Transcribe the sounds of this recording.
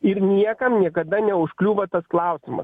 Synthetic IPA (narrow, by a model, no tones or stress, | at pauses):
ɪɾnʲiɛkɐmnʲiɛkɐd̪ɐnʲɛʊʃklʲuːʋɐt̪ɐsklˠɐʊsʲɪmɐ̰s